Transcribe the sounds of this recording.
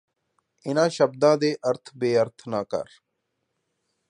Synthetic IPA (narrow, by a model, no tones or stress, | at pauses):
ɪnãːʃəbd̪ãːd̪eːʔəɾt̪ʰbeːəɾt̪ʰnaːkə̰ɾ